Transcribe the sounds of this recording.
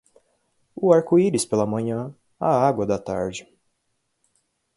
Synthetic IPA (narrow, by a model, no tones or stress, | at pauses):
ʊaɾkuiɾɪspelɐmɐ̃ɲɐ̃ | aaɡwɐd̪ɐt̪a̰ɾd͡ʒɪ